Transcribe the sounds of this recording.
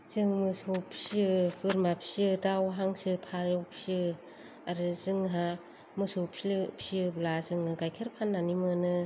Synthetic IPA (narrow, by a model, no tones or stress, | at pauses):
z̥ɯŋmɯsopʰsɯbɯɾmapʰsɯdawɦaŋsɯpʰaɾɔpʰsɯ | aɾɯzɯŋɦa | mɯsopslɯpsiɯblazɯŋɯɡajkʰeɾpʰanːanimɯnɯ